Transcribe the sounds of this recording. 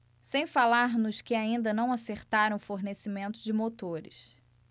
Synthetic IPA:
sẽj̃falaɾnʊskɪaĩnd̪ɐnɐ̃w̃aseɾt̪aɾɐ̃w̃foɾnesimẽnt̪ʊd͡ʒɪmot̪oɾɪ̰s

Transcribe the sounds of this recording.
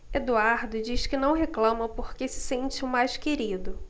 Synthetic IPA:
ed̪uaɾd̪ʊd͡ʒiʃkɪnɐ̃w̃ɦeklɐ̃mɐpoɾkesɪ̥sẽnt͡ʃɪʊmajʃkeɾid̪ʊ

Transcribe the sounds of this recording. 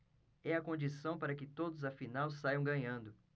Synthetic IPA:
ɛɐkõnd͡ʒisɐ̃w̃paɾɐkɪt̪od̪ʊzɐfinawsajɐ̃w̃ɡɐ̃ɲɐ̃nd̪ʊ

